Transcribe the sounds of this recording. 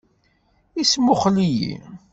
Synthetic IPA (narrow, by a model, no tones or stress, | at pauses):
ismʊχlijḭ